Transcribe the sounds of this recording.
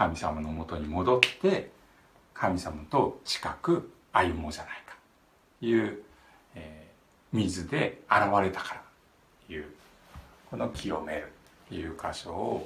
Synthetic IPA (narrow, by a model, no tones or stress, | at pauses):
kamʲisamano̞mo̞t̪o̞ɲ̟imo̞d̪o̞t̪e̞ | kʰamʲisamat̪o̞t͡ɕi̥kakɯ̟ | ajɯ̟moʑanai̥kḁtː | jɯː | eː | mʲizɨd̪e̞aɾaβaɾe̞t̪ḁkḁɾa | jɯ̟ː | ko̞no̞kʲʰio̞me̞ɾɯ̟t̪ː | ejɯ̟ːkaɕo̞ː